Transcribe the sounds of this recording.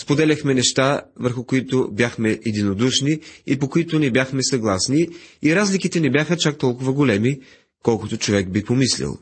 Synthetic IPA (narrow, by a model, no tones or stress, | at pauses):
spod̪ɛlʲɐxmɛnɛʃt̪avəɾxʊkoit̪obʲjaxmɛɛd̪inod̪uʃniipokʊit̪ʊnɛbʲjaxmɛsɐɡlˠasniiɾazlikit̪ɛnɛbjaxət͡ʃak̚t̪ɔlˠkʊvəɡolɛmi | kɔlˠkʊt̪ot͡ʃovɛɡ̚bipomislʲɛ̰lˠ